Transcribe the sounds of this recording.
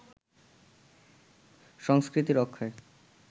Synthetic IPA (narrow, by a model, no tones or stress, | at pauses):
ʃɔŋskɾit̪iɾɔkʰːae